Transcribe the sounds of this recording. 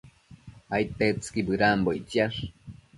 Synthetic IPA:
ajt̪et͡skibɨɾamboit͡siaʂ

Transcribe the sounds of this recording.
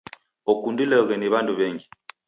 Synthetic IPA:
ɔkundilɛɣɛniβanduβɛŋɡi

